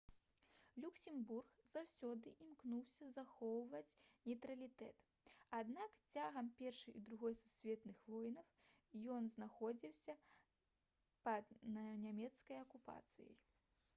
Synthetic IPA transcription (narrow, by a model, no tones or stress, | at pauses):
lʲuksʲimburxzawsʲɔd̪ɨʔimknuwsʲɐzaxɔwvɐt͡sʲnʲɛjt̪ɾɐlʲit̪ɛt̪ | ad̪nakt͡sʲaɣɐmpʲɛrʂɨjid̪ɾuɣɔjsusʲvʲɛt̪nɨxvɔjnɐw | jɔnznaxɔd͡zʲiwsʲɐ | pɐd̪nʲamʲɛt̪skɐjɐkupa̰t̪sɨ̰jɐ̰j